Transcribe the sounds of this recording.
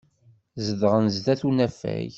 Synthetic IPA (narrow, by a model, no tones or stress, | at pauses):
zəðʁənzðæθunæfæ̰j